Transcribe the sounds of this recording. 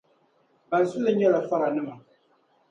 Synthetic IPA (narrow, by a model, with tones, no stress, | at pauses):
ba˨zu˦lɨ˦ɲɛ˦la˨fa˦ɣa˨nɨ˦ma˨